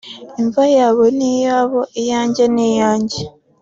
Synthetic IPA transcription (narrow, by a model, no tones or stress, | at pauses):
eɱvajaːβonijaːβoʔejaːɲɟenejaːɲɟe